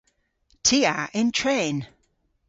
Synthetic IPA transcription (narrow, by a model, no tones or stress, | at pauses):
tʰiaʔɪ̃ntʰɹ̥ẽːn